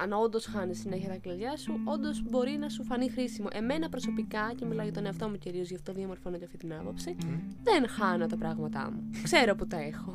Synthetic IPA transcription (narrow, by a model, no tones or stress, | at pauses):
ɐnɐo̞nd̪o̞sxɐnissineçiɐt̪ɐkliðʝɐsuo̞nd̪o̞zbo̞ɾinɐsufɐnixɾisimo̞̰ʔe̞me̞nɐpɾo̞so̞pikɐcemilɐʝɐt̪o̞ne̞ɐft̪o̞muciɾio̞zʝɐft̪o̞ðiɐmo̞ɾfnot̪eɐft̪it̪inɐpo̞psiðenxɐno̞t̪ɐpɾɐɣmɐt̪ɐ̰mukse̞ɾo̞put̪ɐe̞xo̞